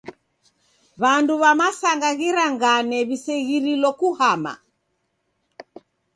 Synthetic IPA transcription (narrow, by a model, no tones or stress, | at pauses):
βanduβamasaŋɡaɣiɾaŋɡanɛβisɛɣiɾilɔkuhama̰